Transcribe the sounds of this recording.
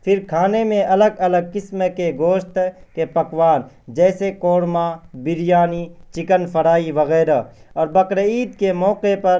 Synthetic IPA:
pʰɪɾkʰaːnemẽʔɐləɡɐləɡ̚kɪsmkeɡoːʃt̪kepɐkʋaːn | d͡ʒɛːsekoːɽmabɪɾɪjaːnit͡ʃɪkənpʰəɽaːiʋəɣɛːɾa | ɔːɾbəkɾeiːd̪kemɔːqepɐɾ

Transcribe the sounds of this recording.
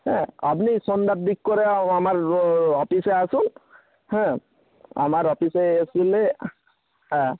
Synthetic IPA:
ɦɛ̃a̰pnisɔnd̪at̚d̪ik̚ːɔɹɛamaɹɔpisɛasun | hɛ̃ | a̰maɹɔpisɛesilɛ | hɛ̃

